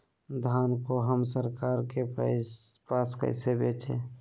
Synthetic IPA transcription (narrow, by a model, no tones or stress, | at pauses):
d̪ʱaːnkoɦəmsəɾkaːɾke | paːskə̰ɪsebḛt͡ʃʰḛ